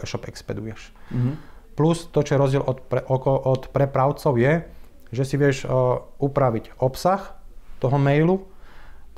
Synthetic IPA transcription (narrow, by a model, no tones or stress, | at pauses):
ɛʃɔpɛkspɛ̰d̪ujɛʃ | plust̪ɔt͡ʃɔjɛɾɔzɟɪɛlʔɔpɛʔɔkɔʔɔt̪pɾɛpɾaʊt͡sɔʊjɛ | ʒɛsiʋɪɛʃupɾaʋicɔpsaxt̪ɔɦɔmɛjlu